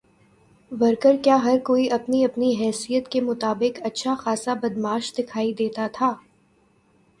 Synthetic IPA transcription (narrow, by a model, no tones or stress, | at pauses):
ʋɐɾkəɾkjaːɦɐɾkoːiʔɐpniɐpniɦɛːsijət̪kemʊt̪aːbɪkɐtːʃʰaxaːsabɐd̪maːʃd̪ɪkʰaːid̪eːt̪at̪ʰaː